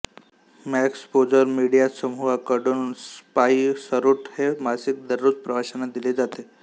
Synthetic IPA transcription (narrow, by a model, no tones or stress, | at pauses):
mækspod͡zəɾmiɽijasəmuʋakəɽuːnspaisəɾuʈhemasik̚d̪əɾːut͡s̚pɾəʋaɕənad̪iled͡zat̪e